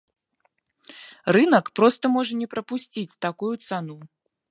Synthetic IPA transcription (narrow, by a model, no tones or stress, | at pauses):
rɨnɐkpɾɔst̪ɐmɔʐɐnʲɛpɾɐpusʲt͡sʲit͡sʲt̪akujut̪sanu